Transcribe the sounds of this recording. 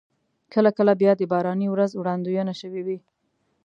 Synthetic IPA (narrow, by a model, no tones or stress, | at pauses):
kəlakəlabjɑd̪əbɑɾɑniwɾazwɽɑnd̪ujənaʃəwiwi